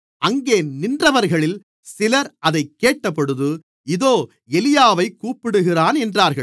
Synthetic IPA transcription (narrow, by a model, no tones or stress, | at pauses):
ɐŋɡeːnɪndrɐʋɐɾɣɐɭɪl | sɪlɐɾɐðɐɪkːeːʈːɐpːɔɽɯðɯ | ɪðoː | ɛlɪjaːʋɐɪkːuːpːɪɽɯɣɪraːnɛndraːɾɣɐɭ